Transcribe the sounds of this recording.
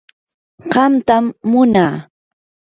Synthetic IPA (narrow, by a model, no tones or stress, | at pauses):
ɢɑmt̪amːʊnaː